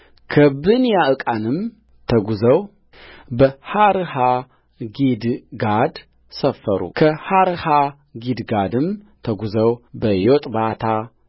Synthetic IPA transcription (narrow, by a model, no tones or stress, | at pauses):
kʰəbɨnjaɨkʼanɨm | t̪ʰəɡuzəw | bəhaɾɨha | ɡid̪ɡad̪ | səfːəɾṵkʰəhaɾɨha | ɡid̪ɡad̪ɨm | t̪ʰəɡuzəwbəjot̪ʼbat̪ʰa